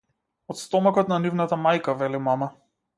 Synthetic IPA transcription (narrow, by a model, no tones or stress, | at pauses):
ɔt̪st̪ɔmakɔt̪nanivnat̪amajkavɛlimama